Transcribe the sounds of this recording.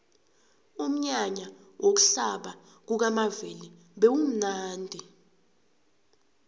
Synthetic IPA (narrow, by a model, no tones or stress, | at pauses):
um̩ɲaɲawʔok̬u̥ɬaɓa | k̬uk̬amaveli | ɓewum̩naːndʱi